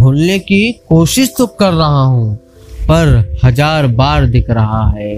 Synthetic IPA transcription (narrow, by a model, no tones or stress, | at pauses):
bʱuːlnekikoːʃɪʃt̪ʊkːɐɾːɐɦaɦũ | pɐɾhɐd͡ʒaːɾbaːɾd̪ɪkʰɾɐɦaɦɛː